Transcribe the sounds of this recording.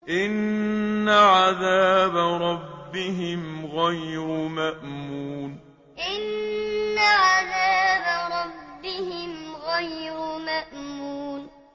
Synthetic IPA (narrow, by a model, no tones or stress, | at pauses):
ʔɪnː | aʕaðaːbaɾˤɑbːɪɦɪmɣajɾʊmaʔmuːn | ʔɪnː | aʕaðaːbɾˤɑbːɪhɪmɣajɾʊmaʔmuːn